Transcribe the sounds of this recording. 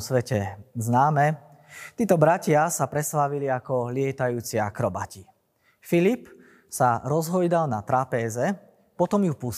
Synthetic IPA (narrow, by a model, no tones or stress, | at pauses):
sʋɛcɛznaːmɛ | t̪iːt̪ɔbɾacɪasapɾɛslaʋiliakɔlɪɛt̪ajuːt͡siakɾɔba̰ci | filip | saɾɔzɦɔjd̪alnat̪ɾapɛːzɛ | pɔt̪ɔmjupus